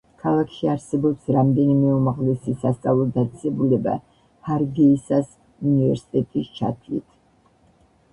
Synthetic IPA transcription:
kʰalˠakʰʃiaɾsɛbɔpsɾamd̪ɛnimɛumaʁlɛsisast̪sʼavlˠɔd̪at̪sʼɛsɛbulɛba̰ | haɾɡɛisas | univɛɾsi̥t̪ʼɛt̪ʼist͡ʃʰa̰t̪ʰlḭt̪ʰ

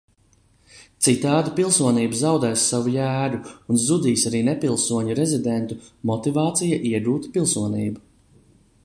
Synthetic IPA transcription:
t̪sit̪aːd̪ipilˠsuɔniːbzawd̪ɛːsːavujæːɾuunzud̪iːsaɾiːnɛpilˠsuɔɲuɾɛzid̪ent̪umɔt̪ivaːt̪sijaʔiɛɡuːt̪pilˠsuɔniːbu

